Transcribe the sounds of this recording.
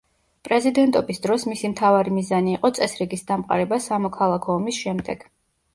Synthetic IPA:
pʼɾɛzid̪ɛnt̪ʼɔbisd̪ɾɔsmisimt̪ʰavaɾimizaniːqʼɔt̪sʼɛsɾiɡisd̪amqʼa̰ɾɛbasamɔkʰalˠakʰɔːmisʃɛmd̪ɛɡ̥

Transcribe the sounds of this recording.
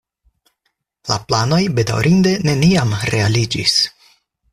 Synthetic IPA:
la̰plano̞jbe̞da̰wɾʔinde̞ne̞niamɾe̞alid͡ʒḭs

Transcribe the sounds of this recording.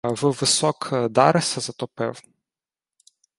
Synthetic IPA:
ʋɨʋɪsɔkd̪ɑɾɪsɐzɐt̪ɔpɪ̰w

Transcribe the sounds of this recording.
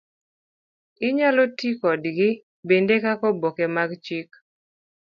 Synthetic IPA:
ɪɲalotikɔdɡɪ | bendekakɔbokemaɡt͡ʃik

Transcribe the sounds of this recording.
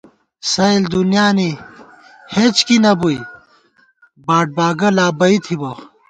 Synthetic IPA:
sɐild̪unjaːni | het͡ɕkinɐbuj | baːʈ̚baːɡɐlaːbɐit̪ʰibɐx

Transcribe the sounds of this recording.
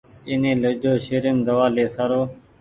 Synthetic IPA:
ɪnẽːləd͡ʒoːʃeːɾemd̪əʋaːleːsaːɾoː

